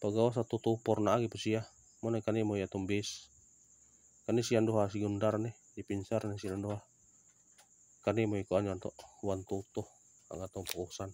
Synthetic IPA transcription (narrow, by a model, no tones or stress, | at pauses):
paɡawas̬at̪ut̪upɔrnaːɡipasia | mɔnakanimoiat̪ɔmbɛs | kanɛsianduɦasiɡundarnɛ | dipinsarnesilandoɦa | kanimoikoand͡ʒant̪ɔʔwant̪ut̪ɔh | a̰ŋat̪ɔmpɔusan